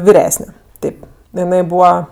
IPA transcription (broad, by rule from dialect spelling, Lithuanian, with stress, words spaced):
ʋʲɪˈrʲæːsʲnʲɛ ˈtʲeːp jɪˈɐɪ ˈbuːʋɐ